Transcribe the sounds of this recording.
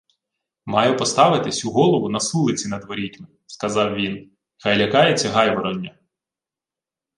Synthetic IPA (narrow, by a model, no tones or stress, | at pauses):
mɑjʊpɔst̪ɑʋɪt̪ɪsʲuɦɔlˠɔʋʊnɐsulˠɪt͡sʲinɐd̪ʋɔɾʲitʲnʊ | skɐzɑwʋʲin | xɐjlʲɐkɑjet͡sʲːɐɦɑjʋɔɾɔnʲːɐ